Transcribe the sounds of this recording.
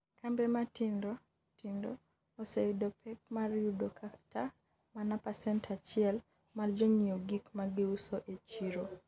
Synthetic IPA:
kambɛmatindɔ | tindoː | seidɔpʰɛk̚marjudokʰatʰa | manapasɛntʰat͡ʃɪɛl | mard͡ʒɔɲioɡikmaɡɪusoʔet͡ʃiɾo

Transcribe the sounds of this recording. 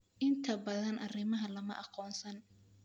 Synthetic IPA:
ʔɪnt̪ʰɐbɐðɐnʔɑrɪmɐɦɐlɐmɐʔɑqɔːnsɐn

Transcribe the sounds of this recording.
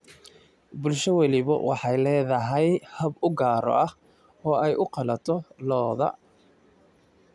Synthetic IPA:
bʊlʃɐwɑlɪβɐ̰wʔɑ̰ħɑjlɛːðɐɦɛjhɐbʊɡaːɾɔ̰ʔɐh | ɔːɛjʔʊqɑlɐt̪ʰɔlɔːðɐ̰

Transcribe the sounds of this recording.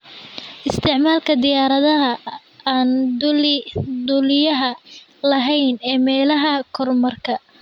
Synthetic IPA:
ʔɪst̪ʰɪʕmaːlkʰɐd̪ɪjaːɾɐðɐɦɐ | aːn | d̪ʊlɪjɐɦɐ | lɐɦɛjnɛːmɛːlɐɦɐkʰɔrmɐrkʰɐ

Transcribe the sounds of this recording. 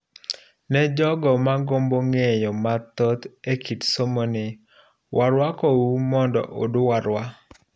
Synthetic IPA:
nɛd͡ʒɔɡɔmaɡomboŋejɔmat̪ɔt̪ekʰitsomonɪ | wʔaɾwakɔwumɔndɔ̰ʔo̰dʊwaɾwa

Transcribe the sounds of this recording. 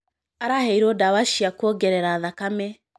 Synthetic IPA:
aɾahɛiɾodawaʃiakwɔɡɛɾɛɾaːðakamɛ

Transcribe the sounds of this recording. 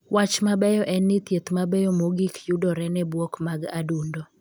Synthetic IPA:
wat͡ʃmabɛjɔʔɛnːɪt̪jet̪mabɛjɔmoɡikjudɔɾɛnɛbwɔkmaɡadundɔ

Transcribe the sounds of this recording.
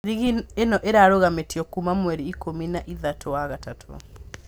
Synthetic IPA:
ɾiɣienɔʔeɾaɾoɣametjɔkumamwɛɾiikominaʔiðatʰowaɣatatʰo̰

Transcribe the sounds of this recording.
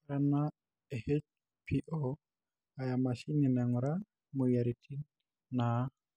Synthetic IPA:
ɾɛna | ɛhet͡ʃ | pʰiʔɔ | ajamasininɛŋuɾa | mɔjaɾitʰi | na

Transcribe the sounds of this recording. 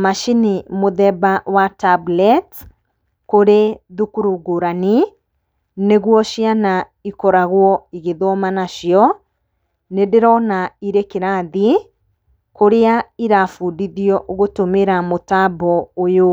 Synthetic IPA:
maʃinimoðɛbawatablɛt | koɾeðukuɾuɡoɾani | neɣwɔʃiana | ikɔɾaɣwɔiɣeðwɔmanaʃjɔ | nedeɾɔnaiɾekeɾaði | koɾeaiɾafudiðiɔʔoɣotomeɾamotabɔojo

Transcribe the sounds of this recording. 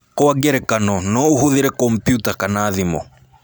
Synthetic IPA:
kɔwaɡɛɾɛkanɔnɔuɦuðiɾɛkɔmpjutakanaːðimɔ̰

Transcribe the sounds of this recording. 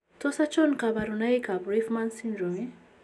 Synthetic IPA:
t̪ʰosat͡ʃonkabaɾunaikabɾifmãnsĩndɾɔmi

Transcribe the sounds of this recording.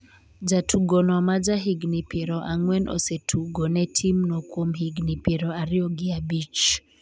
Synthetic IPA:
d͡ʒatʰuɡɔnwamad͡ʒaɦiɡnipiɾɔʔaŋwɛnɔ̰sɛtʰuɡɔnɛtʰimnɔkwɔmhiɡnipiɾɔaɾiɔɡiabit͡ʃ

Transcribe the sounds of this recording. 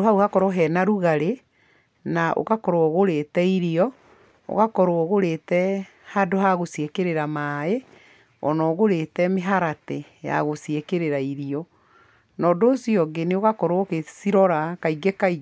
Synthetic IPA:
ɦauhakɔɾɔɦɛnaɾuɣaɾe | naʔo̰kakɔɾoɔɣoɾetɛiɾiɔ | o̰ɣakɔɾwɔɣoɾetɛ | hadoɦaɣosiekeɾeɾamae | ɔnɔɣoɾetɛmeɦaɾate | ja̰ɣosiekeɾeɾaiɾiɔ | nɔːdoːsiɔɡeneoɣakɔɾookesiɾɔɾakaiɡekai

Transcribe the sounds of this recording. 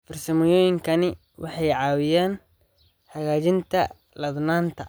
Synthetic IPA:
fɪrsɐmɪjɔːjɪŋkʰɐnɪ | wʔɑħɑjʕɑːwɪjaːn | hɐɣaːt͡ʃɪnt̪ʰɐ̰ | lɐðnaːnt̪ʰɐ

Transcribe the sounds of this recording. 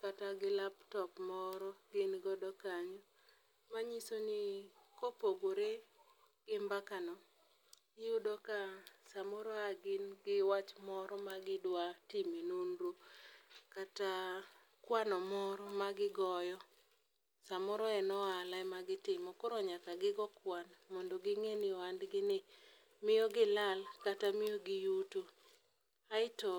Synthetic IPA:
kataɡɪlaptɔpmɔɾɔɡɪnɡɔdɔkaɲɔ | maɲisonikopoɡoɾe | ɡ̥ɪmbakanɔ | udɔkasamɔɾɔaɡɪnɡɪwat͡ʃmɔɾɔmaɡɪdwatimenonɾo | kata | kwanɔmɔɾɔmaɡɪɡɔjɔ | samɔɾɔɛnɔalaɛmaɡɪtɪmɔkɔɾɔɲakaɡɪɡɔkwanmɔndoɡɪŋeniɔandɡɪnɪ | mɪjɔɡɪlalkatamɪjoɡɪjuto | aɪto

